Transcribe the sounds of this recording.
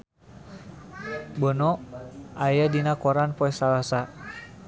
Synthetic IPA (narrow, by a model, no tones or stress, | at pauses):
bɔnɔʔajadinakɔɾanpɔɛsalasa